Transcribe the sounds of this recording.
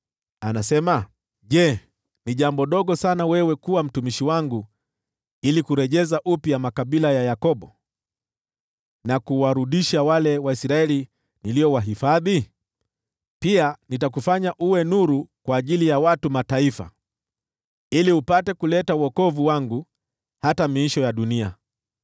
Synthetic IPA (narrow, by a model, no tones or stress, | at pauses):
anasɛma | ʄɛ | niʄambɔɗɔɠɔsanawɛwɛkuwam̩tumiʃiwaŋɡu | ilikuɾɛʄɛzaʔupiamakaɓilajajakɔɓɔ | nakuwaɾuɗiʃawalɛwaisɾaɛli | niliɔwaɦifaði | pianitak̬ufaɲaʔuwɛnuɾukwaːʄilijawatumataifa̰ | iliupatɛkulɛtauɔkɔvuwaŋɡu | hatamiiʃɔjaɗunia̰